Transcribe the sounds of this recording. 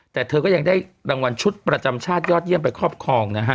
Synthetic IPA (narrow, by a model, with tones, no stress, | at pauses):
t̪ɛː˨˩t̪ʰɤː˧kɔː˥˩ja˧ŋdaː˥˩jɾaː˧ŋwa˧nt͡ɕʰu˦˥t̪̚pɾa˧t͡ɕa˧mt͡ɕʰaː˥˩t̪̚jɔː˥˩t̪̚ji˥˩əmp̬a˧jkʰɾɔː˥˩p̚kʰɔː˧ŋna˦˥kʰa˦˥